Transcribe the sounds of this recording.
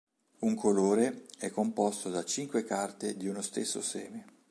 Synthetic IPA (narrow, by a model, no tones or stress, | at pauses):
uŋkʰoloːɾeɛkːompɔst̪od̪at͡ʃiŋkwekart̪ed̪iunost̪esːo̰sɛːme